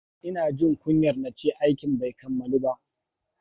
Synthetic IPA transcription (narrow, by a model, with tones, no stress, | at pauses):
ʔɪ˦naː˨d͡ʒɪ˦˨ŋkʷʊ˦ɲjɐ˨rna˨t͡ʃeː˦ʔa˦jkʲɪ˨mba˨jkɐ˨mːɐ˨luː˦ba˦ʔ